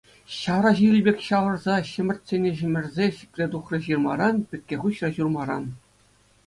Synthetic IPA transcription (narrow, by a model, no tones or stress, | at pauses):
ɕɑʋɾɑʑilʲbʲekʲɕɑʋɤ̆rzɑɕɘ̆mʲɘ̆rʲt̪ʲsʲenʲeʑɘ̆mʲɘ̆rʲzʲeɕi̥kʲlʲed̪uχrɤ̆ʑɯrmɑ̰ɾɑnpʲɘ̆kʲːeχuɕrɑɕurmɑɾɑ̰n